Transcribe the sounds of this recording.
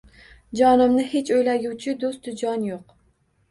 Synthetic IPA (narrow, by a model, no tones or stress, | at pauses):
d͡ʒɒnɪmnɪhet͡ʃʰojlaɡʲut͡ʃʰɪd̪ost̪d̪ʊd͡ʒɒnjoq